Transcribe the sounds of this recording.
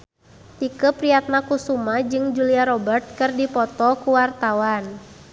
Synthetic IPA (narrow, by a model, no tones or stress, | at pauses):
t̪ikəpɾiat̪̚nakusumad͡ʒɨŋd͡ʒuliaɾɔbərt̪̚kɨrdipɔt̪ɔkuwart̪awan